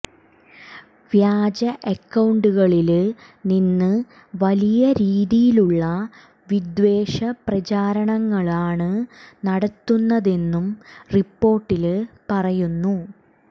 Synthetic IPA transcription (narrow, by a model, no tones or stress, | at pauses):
ʋjaːd͡ʑɐʔɐkːɐwɳɖuɣɐɭil | ninːɨ | ʋɐlijɐɾiːðijiluɭːɐ | ʋid̪ʋe̞ːʂɐprɐt͡ɕaːɾɐɳɐŋːɐɭaːɳɨnɐɽɐt̪ːunːɐðe̞nːumripːo̞ːrʈːilpɐrɐjunːu